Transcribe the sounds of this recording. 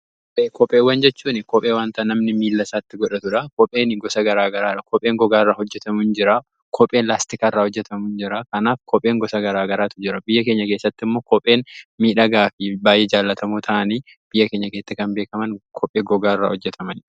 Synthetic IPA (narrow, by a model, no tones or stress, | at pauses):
kkɔpeːkɔpʼːeːwɐnd͡ʒɛt͡ʃːuːnɪkɔpʼe̞ːwaːnt̪ɐnɐmnɪmiːlːɐsaːt̪ːɪɡɔᶑɐt̪ʊᶑɐkɔpʼe̞ːnɪɡɔsɐɡɐɾaːɡɐɾaːɐkɔpʼːe̞ːŋɡɔɡaːɪrːaːhɔd͡ʒːɛt̪ɐmund͡ʒɪɾa | kʰɔpʼːeːnlaːst̪ɪkarːaːhɔd͡ʒːɛt̪ɐmuːnd͡ʒɪɾɐkɐnaːfkʰɔpʼːeːŋɡɔsɐɡɐɾaːɡɐɾaːt̪ʊd͡ʒɪɾɐbɪjːɐke̞ːɲːɐkeːsːɐt̪ːɪmːoːkɔpʼe̞ːnmiːᶑɐɡaːfɪbaːjːʔed͡ʒaːlːɐt̪ɐmuːt̪ʰɐʔɐniː | b̥ɪjːɐkeːɲːɐkeːt̪ːɪkɐnbe̞ːkɐmɐnkʰɔpʼːeːɡɔɡaːɪrːa̰ːhɔd͡ʒːɛt̪ʰɐmɐn